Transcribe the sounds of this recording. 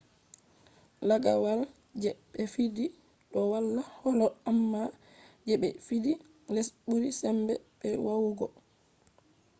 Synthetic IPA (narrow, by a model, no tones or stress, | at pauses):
laɡa̰wal | d͡ʒɛɓɛfidi | ɗɔwalːahɔlɔamːa | d͡ʒɛɓɛfidi | lesɓuɾisɛmbɛɓɛwawɡɔ